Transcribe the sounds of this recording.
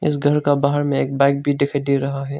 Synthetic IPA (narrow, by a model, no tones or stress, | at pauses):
ɪ̰s̬ɡʱəɾkabaɦəɾmẽeːk̚baɪk̚bʱid̪eːkʰaɪd̪eɾəɦaɦɛː